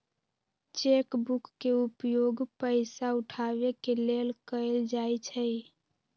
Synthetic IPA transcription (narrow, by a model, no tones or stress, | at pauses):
t͡ʃekbukːeupjoɡpəɪsauʈʰaβekelelkəɪld͡ʒajt͡ʃʰəj